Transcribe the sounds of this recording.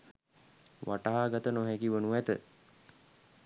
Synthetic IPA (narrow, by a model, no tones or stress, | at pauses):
ʋʔaʈaɦaːɡat̪ənoɦɛkiʋənuæt̪ə